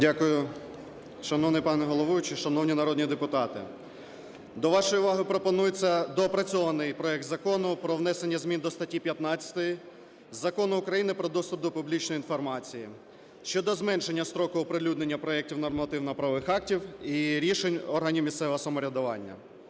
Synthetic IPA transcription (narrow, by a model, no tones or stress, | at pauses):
dʲakʊjʊ | ʃɐnɔʋnɪjpɑnɛɦɔlˠɔʋujt͡ʃiʃɐnɔwnʲinɐɾɔd̪ʲnʲid̪epʊt̪ɑt̪ɪ̰ | d̪ɔʋɑʃɔjʊʋɑɦɪpɾɔpɔnujet͡sʲːɐd̪ɔːpɾɐt͡sʲɔʋɐnɪjpɾɔɛk̚t̪zɐkɔnʊpɾɔʋnɛsenʲːɐzmʲind̪ɔst̪ɐtʲːipʲjɐt̪nɑt͡sʲɐ̥t̪ɔji | zɐkɔnʊʊkɾɐjinɪpɾɔd̪ɔst̪ʊb̚d̪ɔpʊblʲit͡ʃnɔjinfɔrmɑt͡sʲiji | ʃt͡ʃɔd̪ɔzmɛnʃe̞nʲːɐst̪ɾɔkʊːɔpɾɪlʲud̪nenʲːɐpɾɔɛk̚tʲiwnɔrmɐt̪ɪwnɐpɾɐʋʋɪxɑk̚tʲiwiɾʲiʃenʲɔrɦɐnʲiwmʲist̪sɛʋɦɔsɔmɔɾʲɐd̪ʊʋɑnʲːɐ̰